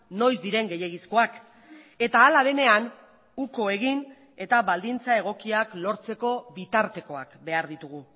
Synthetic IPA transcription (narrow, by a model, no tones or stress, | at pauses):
no̞jzd̪iɾe̞ŋɡe̞je̞ɣisko̞ak | e̞t̪aːlaðe̞ne̞an | uko̞e̞ɣ̞in | e̞t̪aβald̪int͡sae̞ɣ̞o̞kiaklo̞ɾt͡se̞ko̞βit̪aɾt̪e̞ko̞akbe̞aɾðit̪uɣ̞u